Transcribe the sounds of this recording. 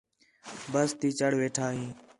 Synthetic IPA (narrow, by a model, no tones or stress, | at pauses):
bəst̪iːt͡ʃəɽʋeːʈʰaːɦĩː